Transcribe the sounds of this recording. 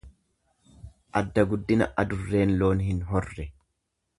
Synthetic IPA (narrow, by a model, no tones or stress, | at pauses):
ʔɐd̪ːɐɡʊd̪ːɪnɐ̰ʔɐd̪ʊrːe̞ːnlo̞ːnhɪnɦɔrːɛ